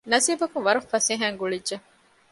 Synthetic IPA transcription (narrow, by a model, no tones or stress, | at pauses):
nɐsiːbɐkuŋʋɐɾɐfːɐseːɦæːŋɡuɭidʒe